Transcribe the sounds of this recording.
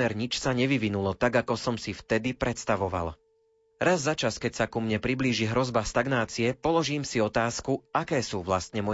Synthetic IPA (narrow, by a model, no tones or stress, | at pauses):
ɛɾɲit͡ʃsaɲɛʋiʋinulɔt̪aɡakɔsɔmsift̪ɛd̪ipɾɛt̪st̪aʋɔʋa̰l | ɾazːat͡ʃaskɛcsakumɲɛpɾibliːʒiɦɾɔzbast̪aɡnaːt͡siɛpɔlɔʒiːmsiɔt̪aːskuakɛːsuːʋlast̪ɲɛmɔ